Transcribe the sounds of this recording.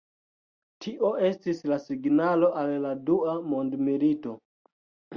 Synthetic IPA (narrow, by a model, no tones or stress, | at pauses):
tʰiʔo̞ʔe̞stislasiɡnalo̞ʔalladuamo̞ndmilito̞